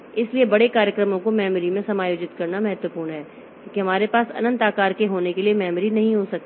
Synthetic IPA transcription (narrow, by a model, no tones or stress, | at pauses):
ɪsliebɐɽekaːɾjəkɾəmõkomɛːməɾimẽsɐmaːjoːd͡ʒɪt̪kɐɾnamɐɦət̪wəpuːɾnɦɛː | kjõːkeɦɐmaːɾepaːsɐ̰nə̃nt̪aːkaːɾkeɦoːnekeliemɛːmɾinɐɦĩɦosɐk̚t̪i